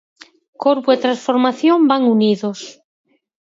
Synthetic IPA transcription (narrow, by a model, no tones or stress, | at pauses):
koɾβuet̪ɾãnsfoɾmaθjombaŋuniðos